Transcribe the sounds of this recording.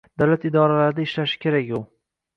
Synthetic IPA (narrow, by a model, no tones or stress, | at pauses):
d̪̥awlat̪ɪd̪ɒɾalaɾɪd̪aɪʃlaʃɪ̥kʲʰe̞ɾakʲjʊ